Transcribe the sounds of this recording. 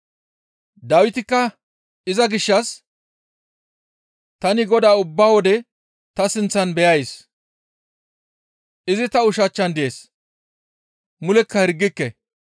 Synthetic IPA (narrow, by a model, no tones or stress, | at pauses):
d̪aːwɪt̪ɪkːɐ | ɪzɐɡɪʃːɐs | t̪ɐnɪɡɔd̪aːʊbːaːwɔd̪ɛ | t̪ɐsɪnt͡sːɐnbɛjɐjs | ʔɪzɪt̪ɐʊʃɐt͡ʃːɐnd̪ɪjeːs | mʊlɛkːɐhɪɾɡːɪkːɛ